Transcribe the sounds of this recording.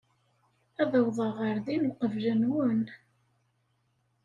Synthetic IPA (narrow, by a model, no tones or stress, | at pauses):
æðəwðˤəʁəɾðinuqəvlənwən